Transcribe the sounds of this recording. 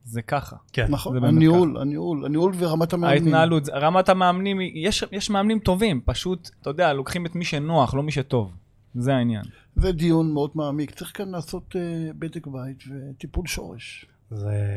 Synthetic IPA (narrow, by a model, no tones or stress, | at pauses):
zekaχa̰kennaχozebeniula̰niula̰niulveʁamat̪ameaint̪nnaalut̪zeʁamat̪ameamnimijeʃjeʃmeamnimt̪o̞vimpaʃut̪tːajod̪ealo̞kχimet̪miʃenoaχlo̞miʃet̪o̞v | zeainja̰n | zed̪ijunmeod̪maːmikt͡saʁiχkanlaːso̞t̪ebed̪ekbait̪vet̪ipulʃo̞̰ʁḛʃ | ze